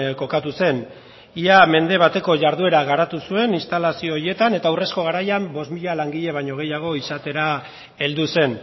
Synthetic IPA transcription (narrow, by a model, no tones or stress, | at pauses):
ko̞kat̪use̞n | iame̞nd̪e̞β̞at̪e̞ko̞ʝaɾðue̞ɾaɣaɾat̪usue̞ninst̪alasio̞ːɾje̞t̪ane̞t̪aure̞sko̞ɣ̞aɾajambo̞smiʎalaŋɡiʎe̞β̞ajɲo̞ɣ̞e̞jaɣ̞o̞isat̪e̞ɾa | e̞ld̪use̞n